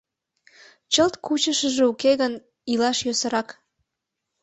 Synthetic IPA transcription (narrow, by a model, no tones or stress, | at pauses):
t͡ɕəlt̪kut͡ɕəʃəʒeukeɣən | ilɑʃjøsə̆ɾɑk